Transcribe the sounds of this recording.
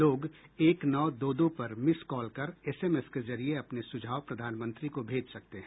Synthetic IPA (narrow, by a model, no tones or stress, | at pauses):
loːɡeːknɔːd̪oːd̪õpɐɾmɪskɔːlkɐɾɛːseːmeːskezɐɾieɐpnesʊd͡ʒʱaːʋpɾɐd̪ʱaːnmə̃nt̪ɾikobʱeːd͡ʒsɐk̚t̪eɦɛ̃ː